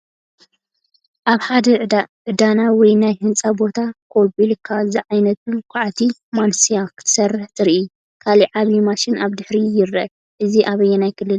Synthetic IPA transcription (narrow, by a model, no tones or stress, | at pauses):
ʔaβħad̪ɐʕʕɨd̪anawɔjnajhɨnt͡sʼabo̞t̪ʰakʰobilkʰaziʕajnɐt̪̚ukʷʰaʕat̪ʰimansijakʰɨ̥t̪ʰɨ̥sɐrːɨħt̪ʰɨɾʔi | kʰaliʕaβimaʃɪnʔaβd̪ɨħɾijɪɾɐ̰ | ʔɨziʔaβɐjːɛnajkʰɨlːɨl